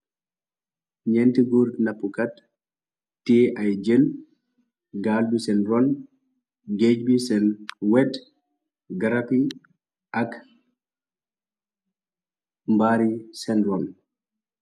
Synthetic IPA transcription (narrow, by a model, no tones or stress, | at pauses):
ɲɛntiɡuːɾnɐpːukat | tːiːʔɐjd͡ʒel | ɡaːlbisɛnɾɔn | ɡed͡ʒbisɛnwɛt | ɡɐɾapi | ʔɐk | mbaːɾisɛnɾɔn